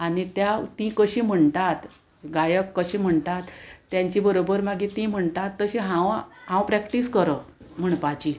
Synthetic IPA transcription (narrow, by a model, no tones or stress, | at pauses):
aɽ̃it̪jat̪ĩkəɕĩːm̤əɳt̪at̪ | ɡajəkːəɕĩːm̤əɳt̪at̪ːjaɲt͡ɕibəɾobəɾmaɡʱit̪ĩm̤əɳt̪at̪ːəɕĩɦãwɦãwpɾækʈiskəɾə | m̤əɳpat͡ɕi